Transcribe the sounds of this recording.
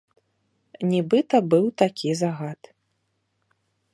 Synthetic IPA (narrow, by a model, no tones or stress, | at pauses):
nʲɛbɨt̪ɐbɨwt̪akʲizaɣat̪